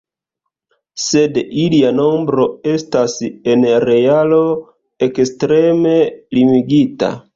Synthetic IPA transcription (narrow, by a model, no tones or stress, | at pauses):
se̞diliano̞mbɾo̞e̞stase̞nɾe̞alo̞ | ekstɾe̞me̞limiɡita̰